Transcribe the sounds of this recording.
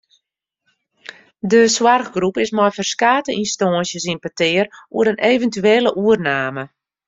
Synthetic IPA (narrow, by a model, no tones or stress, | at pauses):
dəswarɣɡrupɪsmɔjfərskaːtəinstɔːənsjəsinpətɪːərṵəɾənʔeːvəntyeːləʔuərnaːmə